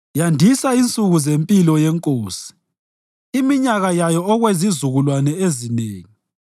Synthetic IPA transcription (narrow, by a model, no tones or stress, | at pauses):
jandʱisaint͡sʼuɣuzempʼilɔjɛŋkʼoːsi̥ː | miɲaɣajajɔɔɣwezizuɣulwanɛezineːŋi